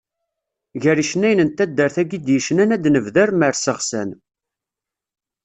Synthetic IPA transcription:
ʝəɾiʃnæjnənt̪æd̪ːəɾθæɡid̪jəʃnænæd̪nəvðæɾməɾsəʁsæ̰n

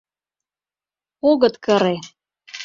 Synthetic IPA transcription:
oɣɤ̆t̪kɤ̆ɾe

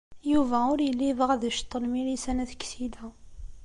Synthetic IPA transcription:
juvæʊɾjəlːivʁæðəʃt̪ˤːəlmilisænæθə̥kːsid̪æ

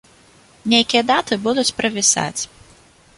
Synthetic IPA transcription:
nʲejkʲijɐd̪at̪ɨbud̪ut͡sʲpɾɐvʲisa̰t͡sʲ

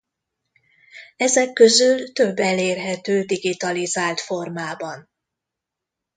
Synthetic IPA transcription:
ɛzɛkːøzylt̪ø̞bːɛleːrɦɛt̪øːd̪iɡit̪ɒlizaːlt̪fo̞rmaːbɒn

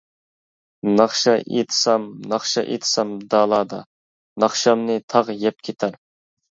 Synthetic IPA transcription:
nɑχʃɑʔḛt̪ʰɨ̥sɑmnɑχʃɑʔḛt̪ʰɨ̥sɑmd̪ɑːlˠɑːd̪ɑ | nɑχʃɑmnɨt̪ʰɑʁjɛp̚kʲʰet̪ʰæɾ

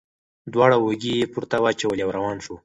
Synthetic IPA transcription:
d̪wɑɽawoɡijepuɾt̪awat͡ʃawəljawɾawɑnʃu

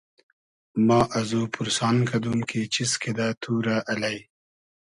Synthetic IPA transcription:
mɑːʔɐzupuɾsɑːnkɐd̪umkʰet͡ʃiskʰed̪at̪ʰuːɾaʔɐlaj

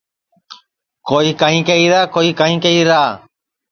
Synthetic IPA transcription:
koːiːkaːɦĩːkəiːɾaːkoːiːkaːĩːkəiːɾaː

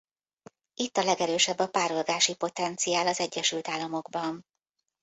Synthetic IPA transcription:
ʔit̪ːɒlɛɡɛɾøːʃɛbːɒpaːɾolɡaːʃipo̞t̪ɛnt̪sijaːlɒzɛɟːɛʃylt̪aːlːɒmo̞ɡbɒn

